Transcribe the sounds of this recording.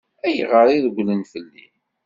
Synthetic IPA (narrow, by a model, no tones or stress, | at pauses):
æjəʁəɾˤiðəɡʷlənθəlːḭ